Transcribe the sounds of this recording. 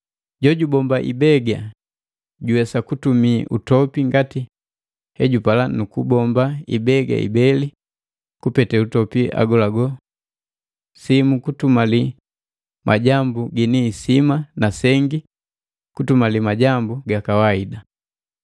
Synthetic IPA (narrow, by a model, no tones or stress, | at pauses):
ɟɔɟubɔmbaʔḭbɛɡa | ɟuwɛsakutumiʔutɔpiŋɡati | hɛɟupalanukubɔmbaḭbɛɡa̰ḭbɛli | kupɛtɛutɔpiʔa̰ɡɔlaɡɔ | simukutumali | mʔaɟambuɡiniːsimanasɛŋɡi | kutumalimaɟambuɡakawaida